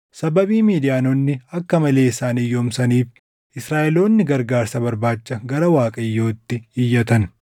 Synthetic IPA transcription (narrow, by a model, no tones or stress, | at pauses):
sɐbɐbiːmiːd̪ɪjaːnonːɪɐkːɐmɐle̞ːɪsaːnɪjːoːmsɐniːf | ɪsɾaːʔɛlo̞ːnːɪɡɐɾɡaːɾsɐbɐɾbaːt͡ʃːɐɡɐɾɐwaːkʼɐjːo̞ːt̪ːɪɪjːɐt̪ɐn